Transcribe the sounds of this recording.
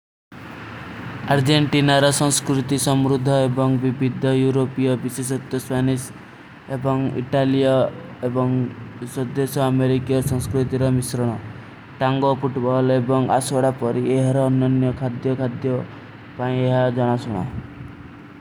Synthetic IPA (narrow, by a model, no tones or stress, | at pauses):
aɾd͡ʒeɳʈinaɾɔsɔ̃ŋskɾut̪isɔmɾud̪ʱːɔebɔŋbibʱid̪ʱɔjuɾopijɔbises̬ɔt̪jɔspanis | ebɔŋḭʈalijɔebɔŋsɔd̪esɔameɾikijɔsɔ̃ŋskɾut̪iɾɔmisɾɔɽ̃ɔ | ʈaŋɡopuʈbɔlebɔŋa̰sɔɽapɔɾieɦaɾɔːnjɔnjɔkʰad̪jɔkʰad̪jɔ | paĩeɦad͡ʒɔɽ̃asɔɽ̃ɔ̰